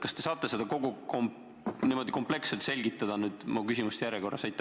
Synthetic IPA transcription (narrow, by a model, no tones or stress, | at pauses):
kɑst̪e̞sɑːt̪ːˑese̞d̪̥ɑko̞ɡukom | niːmo̞d̪̥iko̞mple̞kset̪se̞lʲɡit̪ːˑɑd̪̥ɑnyːd̪̥mukys̬ʲimust̪jæɾjeko̞rːɑsɑjt̪ːˑ